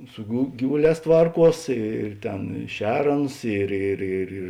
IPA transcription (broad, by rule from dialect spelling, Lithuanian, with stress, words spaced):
sʊ ɡʊ ˈɡʲiːʋʊˌlʲɛːs ˈtʋɐrˌkuɔs ɪr ˈtʲeːn ɪ ˈʃʲɛr ˈɑːˌnʊs ˈɪr ɪr ɪr ɪr